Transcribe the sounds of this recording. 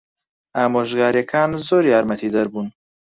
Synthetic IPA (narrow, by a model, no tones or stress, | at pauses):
aːmoʒɡaːɾekʰaːnzoɾiaːɾmɐt̪ʰid̪ɐɾbun